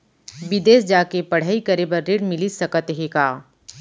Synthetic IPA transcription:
bɪd̪eːsd͡ʒaːkepɐɽ̤aːikɐɾebəɾːeːɽmɪlisɐkət̪ɦekaː

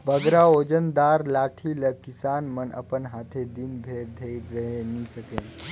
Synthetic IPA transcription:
bəɡɾaod͡ʒənd̪aːɾlaːʈʰiləkɪsaːnmənʔə̰pənɦaːt̪ʰed̪inbʱeːɾd̪ʱeiɾəɦenisəkẽ

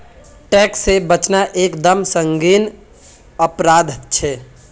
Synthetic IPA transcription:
ʈɛːksːebət͡ʃnaʔeːkd̪əmsə̃ŋɡiːn | əpɾaːd̪ʱt͡ʃʰɛː

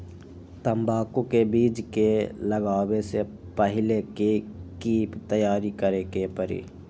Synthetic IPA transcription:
t̪ɐmbaːkõkebiːd͡ʒkelɐɡaːwese | pəɦɪlekikiːpt̪ɐjaːɾikɐɾekepɐɾḭː

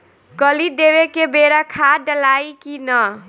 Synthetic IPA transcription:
kəlid̪eβekebeɾakʰaɖəlajkinʌ

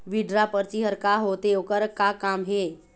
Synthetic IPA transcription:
ʋiɖɾapəɾt͡ɕiɦəɾkaɦot̪eokəɾkakamɦe

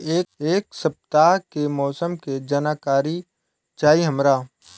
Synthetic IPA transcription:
eːeːksɐp̚t̪aɦkemɔːsəmked͡ʒənaːkaːɾi | t͡ʃaːiɦɐmɾaː

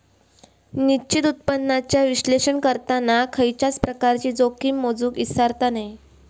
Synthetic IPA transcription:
niɕit̪ut̪̚pənːat͡ɕjaʋiɕleɕəɳkəɾt̪anakʰəjt͡ɕat͡spɾəkaɾt͡ɕiːd͡zokiːmːod͡zuːkisaɾt̪anaj

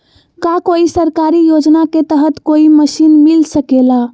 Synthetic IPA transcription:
kakoisəɾkaɾijod͡ʒnaket̪əɦət̪koiməsinmilsəkela

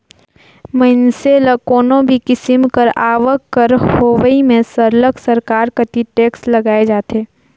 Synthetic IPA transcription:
mɐɪnseːləkoːnõbʱikɪsɪmkəɾaːʋəkːəɾhoːʋəimẽsəɾləksɐɾkaːɾkəʈ̪iʈeːkslɐɡaːed͡ʒaːt̪eː

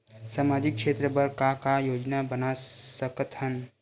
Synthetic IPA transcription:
saːmaːd͡ʒɪk̚ʰʃʰeːt̪ɾəbəɾkakajoːd͡ʒnabənasəkət̪hən

